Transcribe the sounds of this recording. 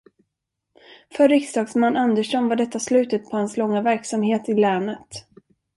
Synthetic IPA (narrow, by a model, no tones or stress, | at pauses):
fœɾːɪksd̪ɑːɡsmanːʔand̪əʂɔnvaɖɛt̪ːaslʉ̟ːt̪ət̪̚pʰɔhanslɔŋːavæɾksamheːt̪ɪlɛːnət̪